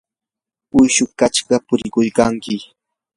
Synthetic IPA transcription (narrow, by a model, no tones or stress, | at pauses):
ʊjʃʊkat͡ʃɢɑpʊɾɪkʊjkaŋkɪ